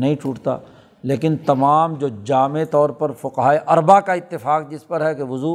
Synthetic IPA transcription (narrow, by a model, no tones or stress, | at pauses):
nɐɦĩt͡ʃuːʈt̪a̰ː | leːkɪnt̪ɐmaːmd͡ʒoːd͡ʒaːmet̪ɔːɾpɐɾfʊqɦaːeʔɐɾbakaɪt̪ːɪfaːq̚d͡ʒɪspɐɾɦɛkeʋʊzuː